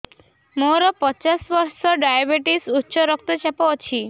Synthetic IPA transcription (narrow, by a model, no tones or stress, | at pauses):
moɾɔpɔt͡ʃasbɔɾsɔɖajabeʈisutːʃɔɾɔk̚t̪ɔt͡ʃapot͡ɕʰi